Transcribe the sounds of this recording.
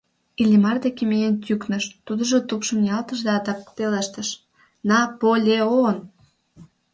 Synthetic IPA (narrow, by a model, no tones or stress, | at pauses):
ilʲimɑrd̪ekemejent̪ʲyknə̆ʃt̪ud̪ə̆ʒot̪upʃə̆mnjɑlt̪ə̆ʃd̪eɑt̪ɑkp̪eleʃt̪ə̆ʃ | nɑpolʲeon